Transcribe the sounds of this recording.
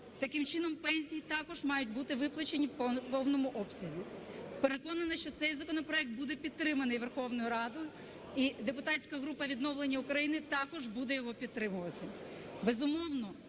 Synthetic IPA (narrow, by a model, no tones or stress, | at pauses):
t̪ɐkɪmt͡ʃɪn̪ɔmpɛnʲsʲijit̪ɑkɔʒmɑjʊt̚ʲbut̪ɪʋɪplˠɐt͡ʃenʲiwpɔwnɔmʊʔɔpsʲɐzʲipeɾe̞kɔnɐnɐʃt͡ʃɔt̪sɛjzɐkɔnɔpɾɔɛk̚t̪̚bud̪ɛpʲid̪t̪ɾɪmɐnɪjʋerxɔwnɔjʊɾɑd̪ʊjʊ | id̪epʊt̪ɑtʲsʲkɐɦɾupɐʋʲid̪nɔwlˠenʲːɐʊkɾɐjinɪt̪ɑkɔʒbud̪ɛjɔɦɔpʲid̪̚t̪ɾɪmʊʋɐt̪ɪ | bezʊmɔwnɔ